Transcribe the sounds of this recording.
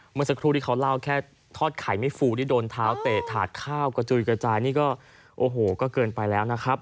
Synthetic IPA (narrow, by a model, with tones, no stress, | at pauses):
mɯ˧əŋsa˧kʰɾu˧t̪i˥˩a˦˥wla˥˩wkʰɛː˥˩ | t̪ʰɔː˥˩t̪̚kʰa˨˩˦jma˥˩jfuː˧t̪iː˥˩doː˧nt̪ʰaː˦˥wt̪ɛː˨˩t̪ʰaː˨˩t̪̚kʰaː˥˩wka˧t͡ɕu˧˩jkɾa˧t͡ɕaː˧jniː˥˩kɔː˥˩ | ʔoː˨˩ɦoː˨˩kɔː˥˩kɤː˧npa˧jlɛː˦˥wna˦˥kʰɾa˦˥p̚